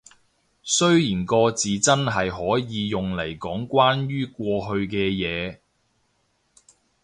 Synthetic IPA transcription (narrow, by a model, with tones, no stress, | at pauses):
sɵ˥ɥjiː˨˩nkɔː˧t͡siː˨t͡sɐ˥nɦɐ˨jɦɔː˨˥jiː˨˧jʊ˨ŋle˨˩jkɔː˨˥ŋkʷwaː˥njyː˥kʷɔː˧ɦɵ˧ɥkɛː˧jɛː˨˧